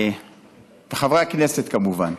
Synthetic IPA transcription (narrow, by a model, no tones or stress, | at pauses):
t̪aχavʁakneset̪kamuvan